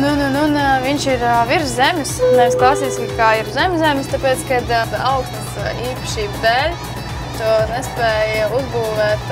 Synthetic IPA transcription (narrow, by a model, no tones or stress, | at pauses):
nunununviɲʃiɾʋiɾzzemʲɪsnɛʋisklˠasiːsʲkkaːiɾzɛmʲzzɛmʲɪst̪apeːt̪skad̪d̪aʊksnəsiːpɐ̥ʃiːb̪d̪æːlʲs | t̪uɔnɛspɛːjuzbuːʋɛːt̪